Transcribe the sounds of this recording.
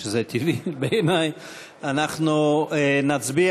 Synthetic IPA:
ezet̪ʰivibeːnaj | anaχnuenat͡sbi

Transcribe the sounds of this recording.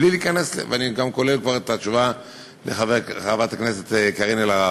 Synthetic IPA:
liliːkaneslḛveaniɡamko̞le̞lkvaʁet̪at͡ʃuva | leχaveʁaavat̪akneset̪ːkaʁinelaa

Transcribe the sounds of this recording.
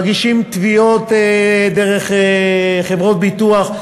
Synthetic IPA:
ɡiʃimt̪vio̞t̪deʁeχeχevʁo̞t̚bituaχ

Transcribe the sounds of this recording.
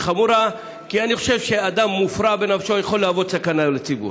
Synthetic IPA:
χamuɾa | kianiχo̞ʃe̞vʃead̪amːufɾabenafʃo̞jaχolːaavo̞d̪sakanalet͡sibṵɾ

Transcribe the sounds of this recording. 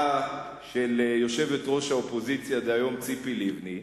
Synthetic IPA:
ʃeljo̞ʃe̞vetʁo̞ʃhaopo̞zit͡sjad̪eajo̞mt͡sipilivni

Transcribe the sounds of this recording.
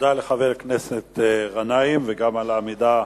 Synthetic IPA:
d̪aleχaveʁkneset̪ʁanaimveɡamalaːmid̪a

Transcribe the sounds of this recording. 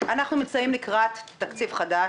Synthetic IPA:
ʔanaχnumimt͡sajimlikʁat̪ːakt͡sivχada

